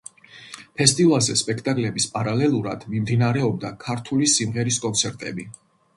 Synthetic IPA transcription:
pʰɛst̪ʼivalˠzɛspʼɛkʰt̪ʼakʼlɛbispʼaɾalɛlˠuɾad̪̥mimd̪inaɾɛɔb̚d̪akʰaɾt̪ʰulisimʁɛɾiskʼɔnt̪sʰɛɾt̪ʼɛ̰bi

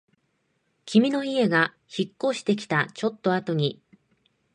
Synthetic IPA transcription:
kʲimʲino̞ie̞ɡa | çikːo̞ːɕi̥t̪e̞k̬ʲi̥t̪at͡ɕo̞t̪ːo̞at̪o̞ɲ̟i

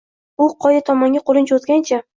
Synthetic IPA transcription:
ʊqʰɒjat̪ʰɒmaŋɡʲaqʰolˠɪnt͡ʃʰot̪ɡʲant͡ʃʰa

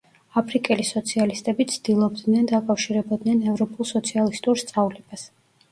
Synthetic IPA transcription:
apʰɾikʼɛlisɔt̪sʰialist̪ʼɛbit̪sʰd̪ilˠɔbd̪nɛnd̪akʼafʃiɾɛbɔd̪nɛnɛvɾɔpʼulˠsɔt̪sʰialist̪ʼuɾst̪sʼavlɛb̥as

